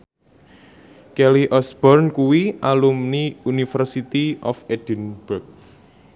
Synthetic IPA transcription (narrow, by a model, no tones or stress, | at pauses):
kɛliʔɔsbɔrnkuwiʔalumniunifɛrsit̪iʔɔfed̥ənb̥ʊrk̚